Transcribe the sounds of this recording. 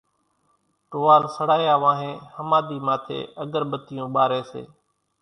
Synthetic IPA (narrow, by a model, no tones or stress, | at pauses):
ʈoːʋaːlsəɽaːjaːʋãːɦẽːhəmaːd̪iːmaːt̪ʰḛːəɡəɾɓət̪ɪjũːɓaːɾeːsḛː